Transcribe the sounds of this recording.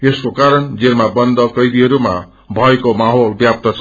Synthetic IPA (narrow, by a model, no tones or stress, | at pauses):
eskokaɾʌnd͡zermabʌnd̪ʌkʌjd̪iɦʌɾuma̰ | bʱʌekomaɦolbjap̚t̪ʌt͡sʰ